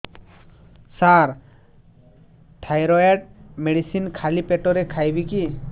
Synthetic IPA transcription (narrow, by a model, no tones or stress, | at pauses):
saɾ | ʈʰajɾɔeʈ̚meɽisinkʰalipeʈɔɾɛkʰajbiki